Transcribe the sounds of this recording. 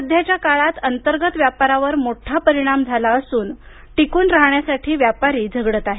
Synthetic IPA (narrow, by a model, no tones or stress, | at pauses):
əd̪ʱjat͡ɕjakaɭat̪ənt̪əɾɡət̪ʋjapaɾaʋəɾmoʈʰapəɾiɽ̃amd͡zʱalaəsuːn | ʈikuːnɾaɦɳjasaʈʰiːʋjapaɾiːd͡zʱəɡɽət̪aɦe